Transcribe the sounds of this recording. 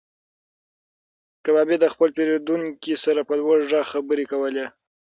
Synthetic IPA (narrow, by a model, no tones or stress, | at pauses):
kabɑbed̪əxpəlpeɾed̪uŋkisaɾapəlwaʐɑxabəɾekawəle